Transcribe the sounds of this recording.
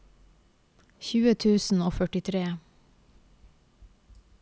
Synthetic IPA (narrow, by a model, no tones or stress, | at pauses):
çʉːət̪ʰʉːsn̩oːfœʈɪt̪ʰɾeː